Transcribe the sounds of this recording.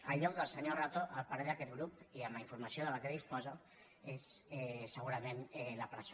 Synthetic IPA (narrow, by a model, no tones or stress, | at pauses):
əʎːɔk̚d̪əlˠsəɲorat̪oʔəlpaɾeðakɛt̪̚ɡɾupiəmaiɱfuɾmasioðəlakeðispɔza | esɛsəɣuɾəmenɛləpɾəs